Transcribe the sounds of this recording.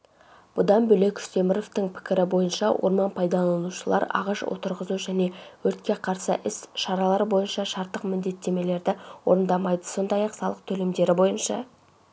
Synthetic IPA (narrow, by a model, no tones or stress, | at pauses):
b̥ʊd̪ɑnbɵle̞kʲe̥st̪ʰemɪɾo̞ft̪əŋpʰɪ̥kʲɪɾɪbo̞jənʃɑwʔo̞̰ɾmɑnpʰɑjd̪ɑlˠɑnuʃəlˠɑ̰ɾɑ̰ʁɑʃwo̰t̪əɾʁəzuʒæne̞wɵɾt̪kʲe̞qʰɑɾsəʔɪsʃɑɾɑlˠɑɾəbo̞jənʃɑʃɑɾt̪ːəqmɪnd̪e̞t̪ːe̞me̞le̞ɾd̪ɪwo̞̰ɾənd̪ɑmɑjd̪ə̥so̞nd̪ɑjɑqsɑlˠəqt̪ʰɵle̞md̪e̞ɾɪbo̞jənʃɑ̰